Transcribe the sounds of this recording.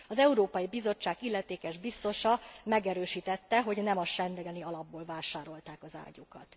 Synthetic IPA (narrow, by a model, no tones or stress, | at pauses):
ɒzɛuɾoːpɒjibizo̞t͡ʃːaːɡilːɛt̪eːkɛʒbist̪o̞ʃɒmɛɡɛɾøːʃiːt̪ɛt̪ːɛɦo̞ɟnɛmɒʃɛnd̪ɛɡɛniɒlɒbːoːlvaːʃaːɾo̞lt̪aːkɒza̰ːɟukɒt̪